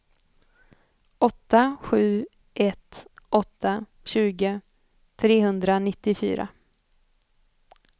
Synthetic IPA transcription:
ɔt̪ːaɧʉ̟ː | ʔɛt̪ʔɔt̪ʰːa | ɕʉ̟ːɡə | t̪ʰɾeːɦɵnd̪ɾanɪt̪ːɪfy̰ːɾa̰

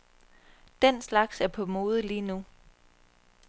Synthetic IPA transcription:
d̥enslɑ̈ɡ̥sæɐpʰɒ̽mo̝ːð̞ˠəliːnu

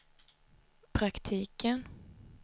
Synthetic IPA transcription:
pʰɾakt̪ʰiːkən

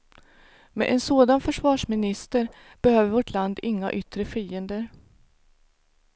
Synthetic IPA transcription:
mɛ̰ʔɛnsoːd̪anfœʂvɑːʂmɪnɪst̪əɾ | b̥ɛhøːvəɾvoʈʰland̪ɪŋːa̰ʔʏt̪ɾəfiːənd̪əɾ

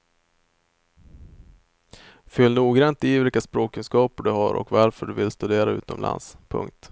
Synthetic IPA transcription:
fʏlːnuːɡɾant̪ɪvɪlkaspɾoːkʰɵnskɑːpəɖɵɦaɾʔɔ̰kvaɾfœɖɵvɪlst̪ɵd̪eːɾaʉ̟̰ːt̪ɔmlʔa̰nspʰɵ̰ŋk̚t̪

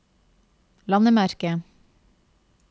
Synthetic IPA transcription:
lɑnəmæɾkə

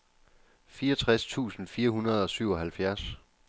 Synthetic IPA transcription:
fiːɐɒt͡sʰʁast͡sʰṵːsn̩fiːɐɦunɐð̞̩ˠɒ̽syʊ̰ɒ̽ɦælfjæɐs

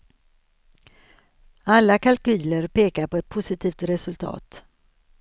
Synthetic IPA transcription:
alːakalkyːləɾpeːkaɾpɔɛt̪̚pʰʊsɪt̪ʰiːft̪ɾɛsɵlt̪ʰɑ̰ːt̪

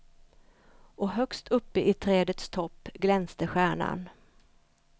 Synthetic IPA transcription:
ʔɔɦœkst̪ʰɵpːəʔɪt̪ʰɾɛːd̪ət̪st̪ʰɔpːɡlɛnst̪əɧæːɳa̰n

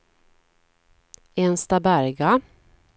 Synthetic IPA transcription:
ɛnst̪abæɾɡa

